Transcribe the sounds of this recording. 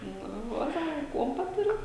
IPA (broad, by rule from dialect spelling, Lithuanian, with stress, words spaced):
ˈnʊ ˈʋɐt ˈsɑːkɐ ˈkuɔmpɐ ˈtʊrʲɪt